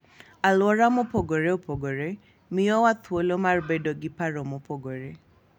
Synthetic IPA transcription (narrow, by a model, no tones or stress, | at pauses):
alwɔɾamʊpɔɡoɾeopʰɔɡoɾe | miɔwat̪ʰʊolomaɾbɛdɔɡɪpaɾɔmʊpʰɔɡoɾe